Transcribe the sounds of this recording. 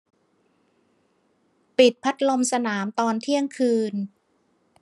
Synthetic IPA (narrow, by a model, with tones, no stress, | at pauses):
pi˨˩t̪̚pʰa˦˥t̪̚lo˧msa˧naː˩˦mt̪ɔː˧nt̪ʰi˥˩əŋkʰɯː˧n